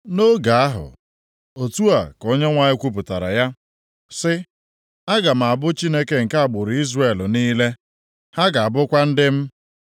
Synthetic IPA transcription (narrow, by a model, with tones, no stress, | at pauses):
no˦ɡa˨a˦ɦʊ̰˨ | o˨tu˦a˨ko˦ɲe˦ŋʷa˨ɲɪ˦kʷu˦p̬ʊ˨ta˨ɾa̰˨ja˦ | sɪ˦ | a˦ɡa˨m̩˨a˨bʊ˦t͡ʃi˦ne˦ke˨ŋ̩˨ka˦a˨ɡ͡bʊ˨ɾi˦zre˨lniː˦le˦ | ha˦ɡa˨a˨bʊ˦kʷa˦n̩˦dɪ˦m̩˦